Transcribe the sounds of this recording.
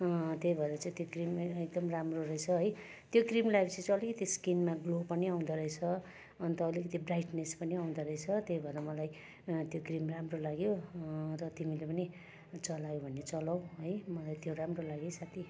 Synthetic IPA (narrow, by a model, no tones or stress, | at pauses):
t̪jejbʱʌd̪at͡sãĩt̪jokrimek̚d̪ʌmramroɾʌet͡sʰʌɦʌj | t̪jokrimlaɡebt͡sãt͡sãʌlikʌt̪iskinmaɡlopʌniaw̃d̪aɾʌet͡sʰʌ | ʌnt̪ʌːlikʌt̪ibrajʈnespʌniaw̃d̪aɾʌet͡sʰʌt̪jejbʱʌd̪amʌlaj | t̪jokrimramrolaɡjorʌt̪imilepʌni | t͡sʌlajobʱʌnːet͡sʌlaw̃ɦʌjmʌlajt̪joɾamrolaɡjesat̪ʰi